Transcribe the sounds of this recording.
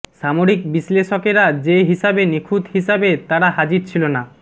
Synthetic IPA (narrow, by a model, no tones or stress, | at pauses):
ʃamoɾikbisleʃokeɾad͡ʑeɦiʃabenikʰud̪ɦiʃabet̪aɾaɦad͡ʑiɾt͡ɕʰilona